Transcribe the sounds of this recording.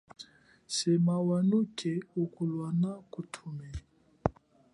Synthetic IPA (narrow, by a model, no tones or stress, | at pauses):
sɛmawanukʰɛukulwanakutʰumɛ